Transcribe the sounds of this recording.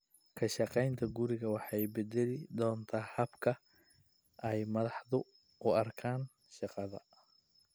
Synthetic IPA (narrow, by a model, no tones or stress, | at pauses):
kʰɐʃɑqɛjnt̪ʰɐɡʊɾɪɣɐwɑħɑjbɛd̪ɛlɪd̪ɔːnt̪ʰaːhɐbkʰɐ | ʔɛjmɐðɑħðʊ | ʊɐrkʰaːn | ʃɑqɑðɐ̰